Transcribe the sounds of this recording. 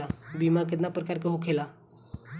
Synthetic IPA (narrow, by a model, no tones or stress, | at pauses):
abimak̬ed̪napɾəkaɾkeɦokʰela